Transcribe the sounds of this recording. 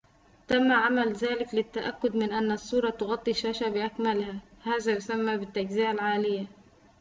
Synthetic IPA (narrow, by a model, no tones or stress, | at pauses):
t̪amːaʕamalzaːlɪklɪt̪ːaʔa̰kːʊd̪mɪnʔanːsˤːuːɾˤɑt̪ʊɣɑt̪ˤːiʃːaːʃabɪʔakmalhahaːzajʊsamːabɪt̪ːad͡ʒziːʔalʕaːlɪjːa